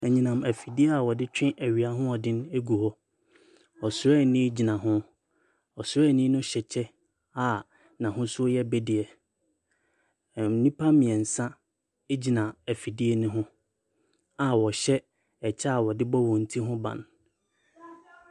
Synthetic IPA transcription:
ɛ˨ɲĩ˨nã˨mæ˨fi˨di˦ɛ˦a˨wɔ˨dɪ˦t͡ɕᶣɪ̃˦ʔæ˨ɥi˨a˨ɦʊ̃˦ɔ˨dɪ̃˦ne˦ɡu˨hɔ˦ | ɔ˨sʊ˦ɛ˦˨nɪ̃˦d͡ʑi˨nã˨ɦʊ̃˦ | ɔ˨sʊ˦ɛ˦˨nĩ˦nʊ̃˦ɕɛ˨t͡ɕʰɛ˦ | a˨ | nã˨ɦʊ̃˦sʊ˦ɔ˦jɛ˦bɛ˦dɪ˨ɛ˨ | m̩˨nĩ˦pʰa˦mĩ˨ɛ̃˨n̩˨sã˦ | e˦d͡ʑi˨nã˨æ˨fi˨di˦ɛ˦˨nʊ̃˦ɦʊ̃˦ | a˨wɔ˨ɕɛ˦ | ɛ˨t͡ɕʰɛ˦a˨wɔ˨dɪ˦bɔ˦wɔ̃˨n̩˨tʰi˦ɦʊ̃˦bã̰˨n

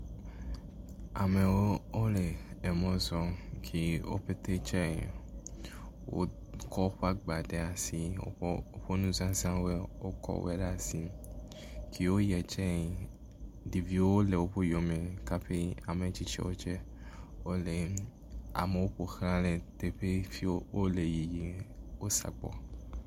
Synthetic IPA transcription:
a˨me˨wo˦o˦le˨ɛ˨mɔ̃˦zɔ˨kʰi˦wo̰˦ɸe˦t̪e˦t͡ʃɛ˦˨ | wo̰˦ | kɔ˦ɸa˦ɡ͡ba˨ɖe˨a˨si˨o̰˦o˦ɸo˦nũ˦zã˦zã˦we˦wo˦kɔ̰˨wɛ̰˦ɖa˨si˨ | kʰi˦wo˦jɛ˨d͡ʒɛ˦˨ | di˨vi˦wo˦o˦le˨wo˦ɸo˦jo˨mẽ˨ka˦ɸe˦a˨me˨˦t͡ʃi˦t͡ʃɛ̰˦wo˦t͡ʃɛ˦ | o˦le˨ | a̰˨me˨wo˦ɸo˨xɾã˦le˨t̪e˨ɸe˦fi˦wo˦le˨ji˨ji˨wo˦sa̰˨ɡ͡bɔ̰˨

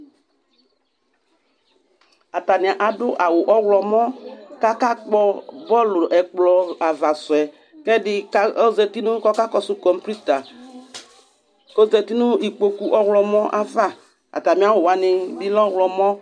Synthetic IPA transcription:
a˨ta˨nɪ˨a˨ʔa˨dʊ˦ʔa˨wʊ˨ʔɔ˦wlɔ˨mɔ̃˦ka˦ka˦k͡pɔ˦bɔ˦lʊ˨ʔɛ˨k͡plɔ˨a˨va˨sʊ˨ɛ˨ | kɛ˦dɪ˦ɔ˦zɛ˨ti˦nʊ̃˦kɔ˦ka˦kɔ˦sʊ˦kɔ˨m˦pɾi˦t̪a˨ | kɔ˦zɛ˨ti˦nʊ˦i˨k͡po˨ku˨ʔɔ˦wlɔ˨mɔ̃˦ʔa˦va˦ | a̰˨ta˨mĩ˨˦a˦wʊ˨wa˨nɪ˨bi˦lɔ˦wlɔ˨mɔ̃˦

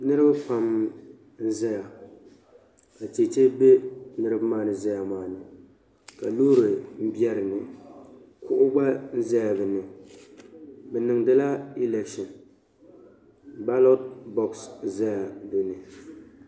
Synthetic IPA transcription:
nɨ˦ɾɨ˦ba˦pa˦m | n̩˦za˦ja˨ | ka˨te˨t͡ʃe˦be˦nɨ˦ɾɨ˦ba˦maː˦˨nɨ˦za˦ja˨maː˨nɨ˨ | ka˨loː˦ɾɨ˨m̩˦bjɛ˦ɾɨ˨nɨ˨ | kʊ˦ʔʊ˦ɡ͡ba˦n̩˦za˦ja˨bɨ˨nɨ˨ | bɛ˨nɨ˨ŋdɨ˦la˦i˦lɛ˨ʃɪ˨n | ba˦lo˦t̚bɔ˦ksza˦ja˨bɨ˦nɨ˨

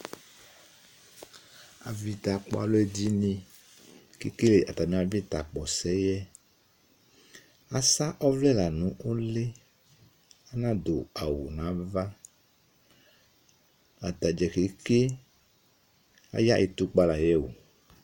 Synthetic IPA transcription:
a˨vi˨t̪a˨k͡pɔ̰˦a̰˨lo˦e˦di˦nĩ˦ | ke˨ke˦le˨ʔa˨t̪a˨mĩ˦a˨vi˦t̪a˨k͡pɔ˨sɛ˦jɛ˦ | a˦sa˦ʔɔ˦vlɛ˦la˨nũ˦o˦le˦ | a˦nã˦d̪o˨a˨wo̰˨nã˨˦va˦ | a˨t̪a˨d͡ʒɛ˨ke˨ke˦ | a̰˦ja˦ʔe˨t̪u˦k͡pa˦la˨jɛ˦wo̰˨

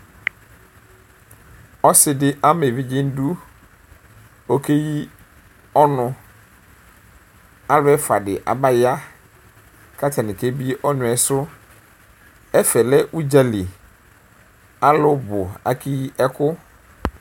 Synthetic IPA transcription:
ɔ˦sɪ˨dɪ˦ʔa˦me˨bɪ˦d͡ʑɪ̃˦n̩˦du˦ | o˨kʰe˦ji˦ | ɔ˦nʊ̃˦ | a˦lɛ˦fa˨dɪ˨ʔa̰˨ba˦ja˦ | kʰa˦tʰa˨nɪ̃˨kʰe˦bi˦ʔɔ˦nʊ̃˨ɛ˨sʊ˦ | ɛ˦fɛ˨lɛ˦ʔu˦d͡ʑa˨li˨ | a˦lʊ˦bʊ˨a̰˦kʰi˦ji˦ʔɛ˦kʰʊ˦

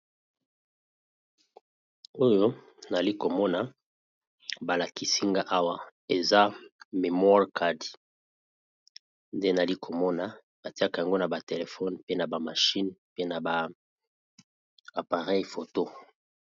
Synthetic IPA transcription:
o˦jo˦ | na˨li˦ko˨mɔ˦na˨ | ba˨la˨ki˨si˦ŋɡa˦ʔa˦wa˨e˨za˦me˨mwɔ˦ʁkʰa˦d | nde˦na˨li˦kʰo˨mɔ˦na˨ | ba˨ti˦a˦ka˨a˨ŋɡo˦na˨ba˨te˨le˨fɔ˦npe˦na˨ba˨ma˨ʃi˦npe˦na˨ba˨ | a˨pa˨ʁɛ˦jfo˨to˦

